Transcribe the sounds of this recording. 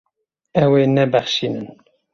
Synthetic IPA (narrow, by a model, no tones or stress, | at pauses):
ɛweːnɛbɛχʃiːnɨ̰n